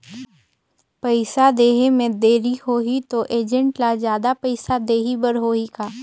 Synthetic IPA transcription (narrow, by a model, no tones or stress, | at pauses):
pəɪsad̪eːɦemẽd̪eːɾihoːɦit̪oʔeːd͡ʒə̃ɳʈlazjaːd̪apəɪsad̪eːɦibəɾɦoːikaː